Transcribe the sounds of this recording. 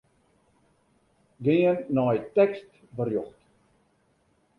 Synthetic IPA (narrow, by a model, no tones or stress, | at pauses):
ɡɪənːɔjtɛkst | bərjɔχt